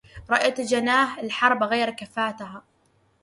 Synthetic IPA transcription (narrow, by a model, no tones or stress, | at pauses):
ɾˤɑʔjat̪d͡ʒanaːɦɪlħɑɾˤbɣajɾkafaːt̪aɦa